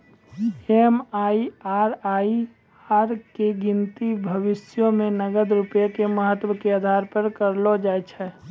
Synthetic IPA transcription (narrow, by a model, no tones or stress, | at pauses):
emaːiaːɾaːi | aːɾkeɡɪnt̪ibʱəʋɪsjõmẽnəɡəd̪ɾupjekeməɦət̪wəkeaːd̪ʱaːɾpəɾkəɾlod͡ʒaːjt͡ʃʰɛ